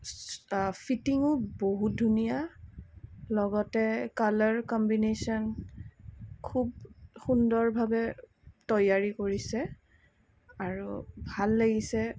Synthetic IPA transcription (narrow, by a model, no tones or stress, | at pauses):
pʰitiŋʊboɦut̚dʱunija | lɔɡɔtɛkalɔɹkɔmbinesɔn | kʰub̚xundɔɹbʱabɛ | tɔjaɹikoɹisɛ | aɹubʱalːeɡisɛ